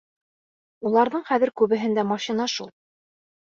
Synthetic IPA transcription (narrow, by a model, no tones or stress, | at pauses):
ulˠɑɾðɤɴχæðɘɾkʉβɘ̆ɦɘ̆nd̪æmɑʃinɑʃulˠ